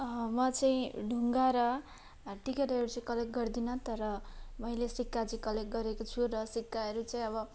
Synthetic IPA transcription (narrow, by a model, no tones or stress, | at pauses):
mʌt͡saĩɖʱuŋɡaɾʌ | ʈikeɾʌɾut͡saĩkʌlek̚ɡʌrd̪inʌt̪ʌɾʌmʌilesikːat͡sikʌlek̚ɡʌɾekot͡sʰuɾʌsikːaɦʌɾut͡saĩʌbʌ